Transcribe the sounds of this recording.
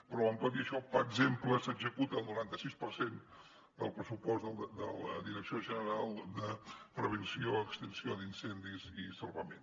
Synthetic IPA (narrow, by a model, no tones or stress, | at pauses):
pɾɔβəmpəðiəʃɔpəɡzempləsəɡzəkut̪əlˠnuɾant̪əsispəɾsen | d̪əlˠpɾəsupɔsəlˠd̪əlˠəðiɾəksioʒənəɾalˠd̪əpɾəβ̞ənsioəkst̪ənsioðinsɛnd̪izisəlˠβəmḛn